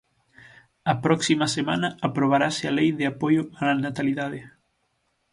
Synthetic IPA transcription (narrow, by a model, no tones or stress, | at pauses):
ɐpɾɔksimɐsema̰nɐapɾoβ̞aɾasɪalejðɪapojʊaanat̪aliðaðɪ